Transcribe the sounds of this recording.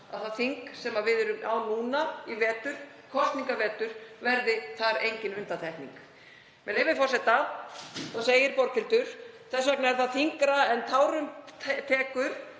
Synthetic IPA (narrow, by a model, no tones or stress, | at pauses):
a̰ðθaðθiŋksɛmavɪðɛɾʏmawnuːnaivɛːt̪ʏɾ̥ | kʰɔst̪niŋkavɛːt̪ʏɾ̥vɛɾðɪθaɾejɲcɪnʏnt̪at̪ʰɛhknḭŋk | mɛlejvɪfɔrsɛt̪a | θaseːjɪɾpɔɾkʰɪlt̪ʏɾ̥θɛsːvɛk̚naɛɾ̥θaðθiŋkɾaɛnt̪ʰaːwɾʏmʰt̪ʰɛːkʏɾ̥